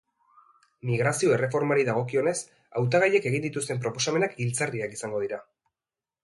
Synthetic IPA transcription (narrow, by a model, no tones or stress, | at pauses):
miɣɾasio̞ere̞fo̞ɾmaɾiðaɣ̞o̞kio̞ne̞s | awt̪aɣajeke̞ɣ̞ind̪it̪ust̪e̞mp̬ɾo̞po̞same̞nakilt͡sariakisaŋɡo̞ð̞iɾa